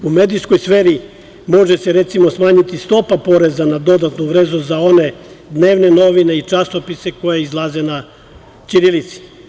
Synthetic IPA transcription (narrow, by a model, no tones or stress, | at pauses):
umed̪iskojsfeːɾi | mo̞ʒeseɾet̪simosmaːɲit̪ist̪o̞papo̞ɾe̞zanad̪o̞d̪at̪nuʋɾeːzuzao̞ne̞ | d̪neːʋne̞no̞ʋine̞it͡ʂasopiseko̞jeizlˠazena | t͡ʃ̪iɾilit̪si̥